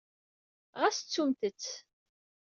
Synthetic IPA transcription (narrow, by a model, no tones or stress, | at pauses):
ʁæst͡sːumt̪ət͡sː